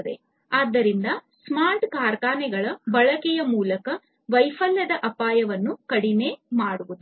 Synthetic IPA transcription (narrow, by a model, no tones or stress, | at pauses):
d̪e̞̰ | aːd̪ːɐɾind̪ɐsmaːɾʈkaːɾkaːnɛɡɐɭɐbɐɭɐkɛjɐmuːlɐkɐ | ʋɐjfɐlːɐd̪ɐʔɐpaːjɐʋɐnːukɐɽineːmaːɽuʋud̪u